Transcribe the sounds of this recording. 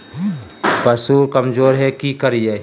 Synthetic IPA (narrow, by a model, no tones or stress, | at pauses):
pɐsuːɾkɐmd͡ʒoːɾɦɛkikɐɾijeː